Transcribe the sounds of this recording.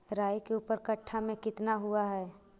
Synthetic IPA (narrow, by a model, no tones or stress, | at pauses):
ɾaːjkeuːpəɾkəʈʰːamẽkɪt̪naɦuaɦɛː